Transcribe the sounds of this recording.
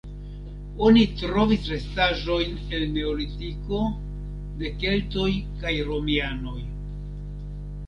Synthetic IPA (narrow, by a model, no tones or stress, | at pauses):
o̞nitɾo̞visɾe̞staʒo̞jn | e̞lne̞olitiko̞ | de̞ke̞lto̞jkajɾo̞miano̞j